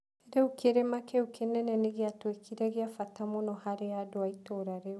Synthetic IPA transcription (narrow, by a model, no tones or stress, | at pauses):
eɾeukʰeɾemakɛukʰenɛnɛneɣeatwekʰiɾɛɣeafatamonɔhaɾeadoaitoɾaɾe